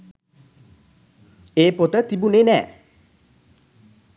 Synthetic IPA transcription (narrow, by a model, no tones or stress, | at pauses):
eːpot̪ət̪ibunenɛ̰ː